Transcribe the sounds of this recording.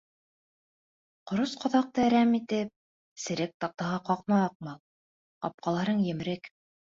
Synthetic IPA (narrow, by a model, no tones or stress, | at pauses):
qŏɾosqɑ̆ðɑq̚t̪ɤɾæmit̪ɘp̚ | sɘ̆ɾɘk̚t̪ɑq̚t̪ɑʁɑqɑqnɑːq̚mɑlˠ | qɑ̰p̚qɑlˠɑɾɤɴjɘ̆mɘ̆ɾɘk